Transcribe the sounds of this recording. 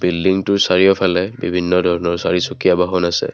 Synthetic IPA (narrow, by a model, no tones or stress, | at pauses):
bildiŋtʊɹsaɹijɔpʰalɛbibʱinːɔdʱɔɹɔnɔɹsaɹisukijabaɦɔnasɛ̰